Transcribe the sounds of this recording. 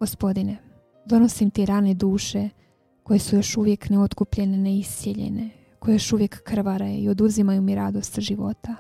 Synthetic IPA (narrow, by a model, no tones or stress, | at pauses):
ɡo̞spo̞d̪ine | d̪o̞no̞simt̪eɾaːned̪uːʃe̞ | ko̞jesujo̞ʃuʋje̞kneo̞t̪kupʎe̞neneisjeʎḛne̞ | ko̞jejoʃuʋje̞kːr̩ʋaɾajuio̞d̪uzimajumiɾad̪o̞st̪ʒiʋo̞̰t̪a